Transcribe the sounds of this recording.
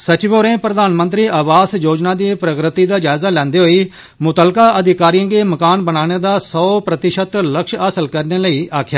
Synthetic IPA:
sət͡ʃɪʋoːɾẽːpɾəd̪aːnmə̃nt̪ɾiːʔəʋaːsjoːd͡ʒnaːd̪iːpɾəkɾɪt̪iːd̪aːd͡ʒaːɪzaːlɛ̃ːnd̪eɦoːiː | mʊt̪əlkaːʔəd̪ʱɪkaːɾiãːɡeːməkaːnbənaːɽ̃eːd̪aːsɔːpɾət̪ɪʃət̪ləkʃaːsəlkəɾneːləiːʔaːkʰɪjaː

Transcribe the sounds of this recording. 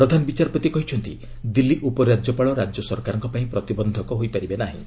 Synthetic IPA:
pɾɔd̪ʱanɔbit͡ʃaɾɔpɔt̪ikɔɦit͡ʃʰɔnt̪i | d̪ilːiʔupɔɾad͡ʒɔpaɭɔɾad͡ʒjɔsɔɾkaɾɔŋkɔpaĩpɾɔt̪ibɔnd̪ʱɔkɔɦojpaɾibenaɦḭ̃

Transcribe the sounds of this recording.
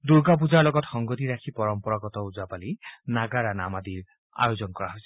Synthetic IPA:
d̪uɾɡap̬ud͡ʒaɾlɔɡɔt̪xɔŋɡɔt̪iɾakʰipɔɾɔmpɔɾɔɡɔt̪ɔud͡ʒapalinaɡaɾanamad̪iɾ | a̰jod͡ʒɔnɔkɔɾaɦojsi̥

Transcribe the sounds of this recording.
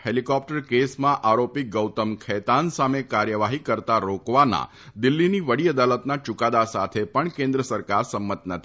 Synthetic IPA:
helikɔp̚ʈəɾkesmãʔaɾopiɡəwt̪əmkʰɛt̪ansamekaɾjəʋaɦikəɾt̪aɾokʋana̰ | d̪ɪlːiniʋəɽiəd̪alət̪nat͡ʃʊkad̪asat̪ʰepəɳkẽnd̪ɾəsəɾkaɾsəmːət̪nət̪ʰi

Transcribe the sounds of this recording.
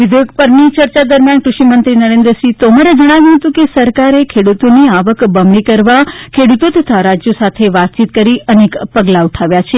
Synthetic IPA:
ʋɪd̪ʱjoɡpəɾnit͡ʃəɾt͡ʃad̪əɾmjanʈɾuʃimənt̪ɾinəɾẽnd̪ɾəsit̪omaɾed͡ʒəɽ̃aʋjũɦət̪ũkesəɾkaɾekʰeɽut̪oniaʋəkbəmɭikəɾʋakʰeɽut̪ot̪ʰət̪ʰaɾad͡ʒjosat̪ʰeʋat̪̚t͡ʃit̪kəɾiənekpəɡlauʈʰaʋjat͡ʃʰe

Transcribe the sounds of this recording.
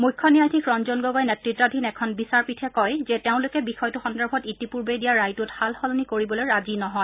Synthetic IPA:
mujkʰːɔnijadʱikɹɔnzɔnɡɔɡɔjnɛtɹitːadʱinɛkʰɔnbisaɹpitʰɛkɔjzɛteʊ̃lʊkɛbixɔjtuxɔndɛɹbʱɔtitipuɹbedijaɹajtuthalxɔlɔnikoɹibɔlojɹazinɔɦɔj

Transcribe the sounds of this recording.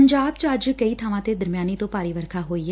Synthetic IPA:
ɲd͡ʒaːbt͡ʃəəd͡ʒkəiːt̪ʰaːʋãːt̪eːd̪əɾmjaːnit̪õːpaːɾiːʋəɾkʰaːɦoːiːɦɛ

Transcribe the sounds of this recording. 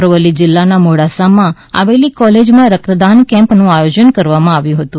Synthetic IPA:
ɾʋəlid͡ʒɪlːanamoɽasamã | a̰ʋelikɔled͡ʒmãɾəkt̪əd̪ankɛ̃mpnũajod͡ʒənkəɾʋamãaʋjũɦət̪ũ

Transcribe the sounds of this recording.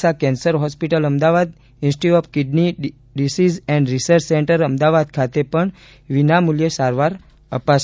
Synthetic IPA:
sakɛ̃nsəɾɦɔspiʈələmd̪aʋad̪ | ĩnsʈiɔfkɪɖni | ɖisizɛ̃ɳɖɾisəɾt͡ʃsẽɳʈəɾəmd̪aʋad̪̚kʰat̪epəɳ | ʋinamuljesaɾʋaɾ | əpaʃ

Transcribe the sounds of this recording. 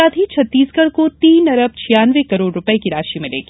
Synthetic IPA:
aːt̪it͡ʃʰɐt̪ːiːskəɾkot̪iːnɐɾəb̚t͡ʃʰɪjaːnʋekɐɾoːɽɾʊpəekiɾaːʃimɪ̃lḛːɡi

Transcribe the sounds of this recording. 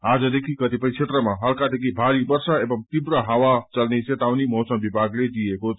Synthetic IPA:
ad͡zʌd̪ekʰikʌt̪ipəjt͡ʃʰet̪ɾəmaɦəlkad̪ekʰibʱaɾibʌɾsaebʌmt̪ibɾəɦawat͡sʌlneset̪awnimʌɦsʌmbibʱaɡled̪ijeko

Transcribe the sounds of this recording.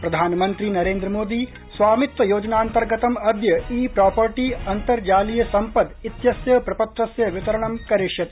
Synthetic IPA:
pɾɐd̪ʱaːnɐmɐnt̪ɾinɐɾeːnd̪ɾɐmoːd̪i | sʋaːmit̪ʋɐjoːd͡ʒɐnaːnt̪ɐɾɡɐt̪ɐmɐd̪jɐiːpɾaːpɐɾʈiɐnt̪ɐɾd͡ʒaːlijɐsɐmpɐd̪it̪jɐsjɐpɾɐpɐt̪ɾɐsjɐʋit̪ɐɾɐɳɐmkɐɾiʂjɐt̪

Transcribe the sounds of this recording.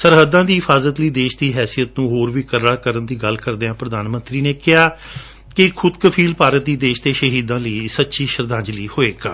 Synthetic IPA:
səɾɦəd̪ãːd̪iːɦɪpʰaːzət̪ləiːd̪eːʃd̪iːɦɛːsijət̪nũːɦoːɾʋiːkəɾɽaːkəɾənd̪iːɡəlkəɾd̪eːãːpɾəd̪aːnmə̃nt̪ɾiːneːkɪɦaː | kɪkʰʊd̪kəpʰiːlpaːɾət̪̚d̪iːd̪eːʃt̪eːʃəɦiːd̪ãːləiːsətːʃiːʃəɾd̪ãːɲd͡ʒliːhoːeːkaː

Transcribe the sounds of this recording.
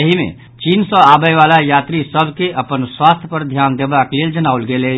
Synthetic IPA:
əɦimḛ̃ | t͡ʃiːnsɔ̃aːbəjʋaːlajaːt̪ɾisəbkeʔɐpənswaːst̪ʰjəpəɾd̪ʱjaːnd̪eːbakleːld͡ʒənaːʊlɡeːle

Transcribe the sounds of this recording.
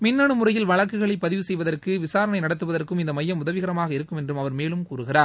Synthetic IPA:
mɪnːɐɳɯmɯrɐjɪlʋɐɭɐkːɯɣɐɭɐɪpːɐðɪʋɯsɛjʋɐðɐrkɯʋɪsaːɾɐnɐɪnɐɽɐt̪ːɯʋɐðɐrkɯmɪnd̪ɐmɐjːɐmʊðɐʋɪɣɐɾɐmaːɣɐɪɾɯkːɯmɛndrɯmɐʋɐɾmeːlɯmkuːɾɯɣɪraːɾ

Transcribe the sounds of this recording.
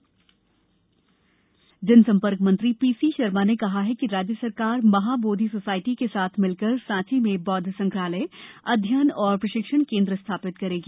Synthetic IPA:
d͡ʒɪnsɐ̃mpəɾkmɐ̃nt̪ɾipiːsiʃɐɾmanekɐɦaɦɛkiɾaːd͡ʒjəsɐɾkaːɾmɐɦaːboːd̪ʱisosaːɪʈikesaːt̪ʰmɪlkəɾsãːt͡ʃimẽbɔːd̪ʱəsɐ̃ŋkɾaːləɪɐd̪ʱjənɔːɾpɾɐʃɪkʃəñkẽːnd̪ɾəst̪ʰaːpɪt̪kɐɾeːɡiː

